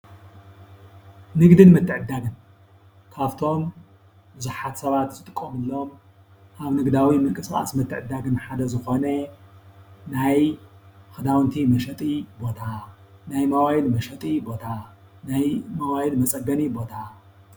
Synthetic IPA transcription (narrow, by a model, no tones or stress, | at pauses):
nɨɡd̪ɨnmɨt̪ʰːɨʕɨd̪ːaɡɨn | kʰaβt̪ʰo̞m | bɨzuħat̪sɐβat̪zɨt̪ʼɨkʼːomɨlːom | ʔaβnɨɡd̪awimɨŋkʼɨskʼa̰smɨt̪ʰːɨʕɨd̪ːaɡɨnħad̪ɐzɨxo̞nɐ | najxɨd̪awnt̪ʰimɐʃɐt̪ʼibo̞t̪ʰa | najmɐwajilmɐʃɐt̪ʼibo̞t̪ʰa | najmɐwajilmɐt͡sʼɐɡɐnibo̞t̪ʰa